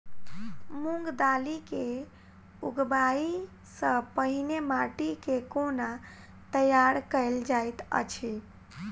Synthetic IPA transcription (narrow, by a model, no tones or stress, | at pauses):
muŋɡd̪alike | uɡbai | sə̃pəɦinemaʈikekona | t̪əjaɾkəɪld͡ʒajt̪ə̰t͡ʃʰi